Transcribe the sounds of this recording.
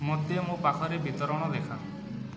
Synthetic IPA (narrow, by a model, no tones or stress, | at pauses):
mot̪emũpakʰɔɾebit̪ɔɾɔɽ̃ɔd̪ekʰa